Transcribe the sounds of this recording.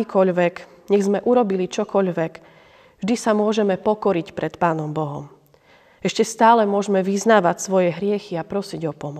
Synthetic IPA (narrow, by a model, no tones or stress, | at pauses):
iːkʰɔʎʋɛɡ | ɲɛɣzmɛʔuɾɔbilit͡ʃɔkɔʎʋɛɡ | vʒd̪isamʊɔʒɛmɛpɔkɔɾicpɾɛt̪paːnɔmbɔɦɔ̰m | ɛʃcɛst̪aːlɛmʊɔʒmɛʋiznaːʋacsʋɔjɛɦɾɪɛxiapɾɔsiɟɔpɔmɔ